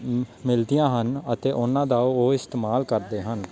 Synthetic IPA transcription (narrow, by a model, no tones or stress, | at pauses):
mɪld̪ijãːɦənət̪eːʔʊnãːd̪aːooːɪst̪eːmaːlkəɾd̪eːɦən